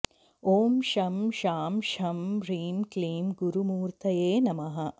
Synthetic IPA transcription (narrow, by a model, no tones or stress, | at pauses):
oːmʃɐmʃaːmʃɐmɾiːmkliːmɡuɾumuːɾt̪ʰɐjeːnɐmɐɦɐ